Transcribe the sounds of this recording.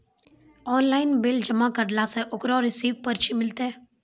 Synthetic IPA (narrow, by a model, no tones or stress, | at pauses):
ɔːnlaːɪnbɪld͡ʒəmakəɾlaseʔʊkɾɔɾɪsiːʋpəɾt͡ʃʰimɪlt̪ẽː